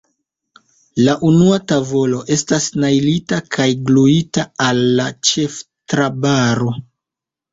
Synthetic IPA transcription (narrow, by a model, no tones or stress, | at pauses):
laʔunuatavo̞lo̞ʔe̞stasnajlitakʰajɡluitaalːat͡ʃef | tɾabaɾo